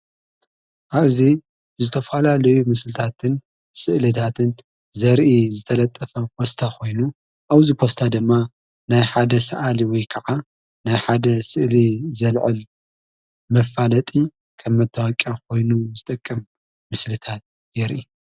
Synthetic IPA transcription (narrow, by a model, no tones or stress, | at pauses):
ʔaβzi | zɨt̪ʰɐfalalɐjumɨslɨt̪ʰat̪ʰɨn | sɨʔlɨt̪ʰat̪ʰɨn | zɐɾʔizɨt̪ʰɐlɐt̪ʼːɐfɐpʰo̞st̪ʰakʰo̞jnu | ʔawzikʰost̪ʰad̪ɨmːa | najħad̪ɐsɐʔaliwɔjkʰɐʕa | najħad̪ɐsɨʔlizɐlʕɨl | mɐfːalɐt̪ʼi | kʰɐmːɐt̪ʰːawakʼjakʰo̞jnuzɨt̪ʼɐkʼːɐm | mɨslɨt̪ʰat̪̚ | jɛɾʔi